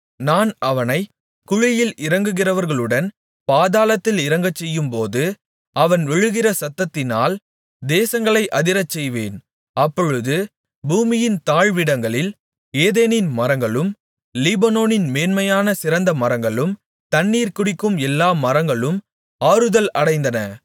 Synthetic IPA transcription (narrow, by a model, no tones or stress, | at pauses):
naːnɐʋɐnɐɪ | kʊɻɪjɪlɪɾɐŋɡɯɣɪrɐʋɐɾɣɐɭɯɽɐn | paːðaːlɐt̪ːɪlɪɾɐŋɡɐt͡ʃːɛjːɯmpoːðɯ | ɐʋɐnʋɛɻɯɣɪrɐsɐt̪ːɐt̪ːɪnaːl | d̪eːsɐŋɡɐɭɐɪʔɐðɪɾɐt͡ʃːɛjʋeːn | ɐpːɔɻɯðɯ | buːmɪjɪnt̪aːɻʋɪɽɐŋɡɐɭɪl | eːðeːnɪnmɐɾɐŋɡɐɭɯm | lɪbɐnoːnɪnmeːnmɐjaːnɐsɪɾɐnd̪ɐmɐɾɐŋɡɐɭɯm | t̪ɐnːiːɾkʊɽɪkːɯmɛlːaːmɐɾɐŋɡɐɭɯm | aːɾɯðɐlɐɽɐɪnd̪ɐnɐ